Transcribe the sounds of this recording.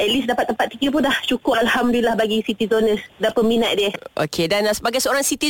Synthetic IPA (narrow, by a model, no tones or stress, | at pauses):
ʔɛt̪̚lisdapat̪ːəmpat̪ːikəp̬ʊnlaht͡ʃukʊalhamdulilahbaɡisit̪izonəsdapəminaʔ̪̚diəo̰kʰedansəbaɡajsəoɾaŋsit̪i